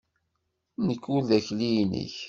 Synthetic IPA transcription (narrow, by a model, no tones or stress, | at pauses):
nəkːʊɾðæçlijnə̰ç